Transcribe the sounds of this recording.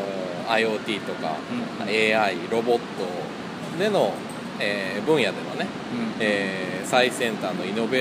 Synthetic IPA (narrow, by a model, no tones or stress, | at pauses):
o | aio̞ːt̪ʲiːt̪o̞ka̰eːaiɾo̞bo̞t̪ːo̞ | d̪e̞no̞ | eːbɯ̟̃ɰ̃jad̪e̞ma̰ne̞ | eːsaisẽ̞nt̪aːnoino̞be